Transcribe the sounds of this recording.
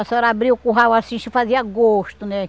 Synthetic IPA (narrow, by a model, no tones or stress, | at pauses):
asɛɾabɾiʊkuɦawasĩʃufaziɐaɡoʃt̪ʊnɛ